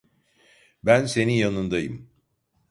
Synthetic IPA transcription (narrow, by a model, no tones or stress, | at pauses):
bænse̞nijanɯnd̪ajɯ̰m